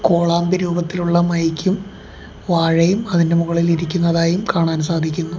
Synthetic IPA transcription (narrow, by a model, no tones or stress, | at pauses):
koːɭaːmbiɾuːbɐt̪ːiluɭːɐmɐjkʲːum | ʋaːɻɐjumɐðinde̞muɣɐɭiliɾikʲːunːɐðaːjumkaːɳaːnsaːd̪ʱikʲːunːu